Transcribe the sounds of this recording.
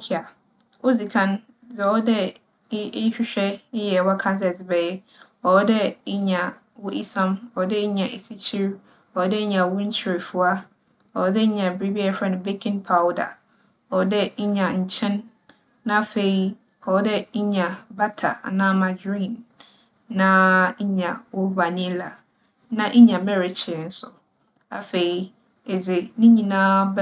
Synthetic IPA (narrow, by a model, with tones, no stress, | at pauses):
kʰi˦a˨ | o˦zi˨kʰã˦n | zɛ˨ɔ˦dɛ˦ | ɪ˦ɪ˦ɕᶣɪ˦ɕᶣɛ˦ɪ˦jɛ˨wɔ˦kʰã˦ns̬ɛ˨sbɛ˨˦ɔ˨ɔ˦dɛ˦ɪ˦ɲã˨ | wʊ˦ʔi˦sã˦mɔ˨wɔ˦dɛ˦ɲã˨ʔe˨si˦t͡ɕʰi˦ɾ | ɔ˨wɔ˦dɛ˦ɲã˨wʊ˦ɲ̩˦t͡ɕʰɪ˦ɾɪ˨fʊ˨a˦ | ɔ˨wɔ˦dɛ˦ɲã˨bɾi˦bi˦ɛ˦fɾɛ˦nʊ̃˨be˦kʰɪ̃˦npʰa˨˦wda̰˨ | ɔ˨˦dɛ˦ɲ̩˦ɲã˨ɲ̩˨t͡ɕʰɛ̃˦nː | ã˦fe˨i˨ | hɔ˨˦dɛ˦ɲ̩˦ɲã˨ba˦tʰa̰˨nãː˦mã˨d͡ʑĩ˦˨nː | ã˦ɲã˨wʊ˦ba˨nĩ˦la˨ | nã˦ʔɲã˨mɛ˦ɾɪ˨t͡ɕʰɪ˨n̩˦sʊ˨ | a̰˨fe˨i˨ | e˨d͡ze˨nĩ˦ɲĩ˨nãː˦b